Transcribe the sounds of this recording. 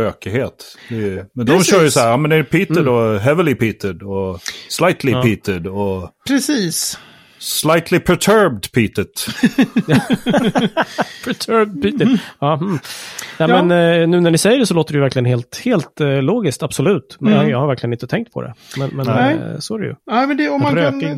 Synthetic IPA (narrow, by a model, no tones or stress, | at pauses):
øːkəheːt̪ɛmɛnd̪ɔmɕœːɾjəsɔæːjɑːmɛnd̪ɛæɾpʰiːt̪ədɔɦɛvəlɪpʰiːt̪ɪd̪ɔslajt̪ʰlɪpiːt̪ɪd̪ɔpʰɾɛsiːs | slajt̪ʰlɪpʰɛt̪ʰœɹb̚d̪pʰiːt̪ɪt̪j | pʰɛt̪ʰœɾb̚d̪̚piːt̪əɑːmm̩nɛmɛnnʉ̟ːnæɳɪsɛjːəɖɛsɔloːt̪əɖɛjvæɾklɪɡənɦeːlt̪heːlt̪loːɡɪskt̪ab̥sɔlʉ̟ːt̪mɛjɑːɡhaɾvæɾklɪɡənɪnt̪ət̪ʰɛŋkt̪̚pʰɔ̰d̪ɛ̰mɛnmɛnɛsɔæɾɛjɵ̰æmɛnd̪ɛɔmmaɾnɪŋ